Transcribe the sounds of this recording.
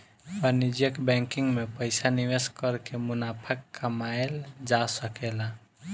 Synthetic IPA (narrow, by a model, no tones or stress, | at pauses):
bənid͡ʒjəkbɛ̃ŋkɪ̃ŋɡmepəɪsaniʋeskəɾkemʊnapʰəkːəmaeld͡ʒasəkela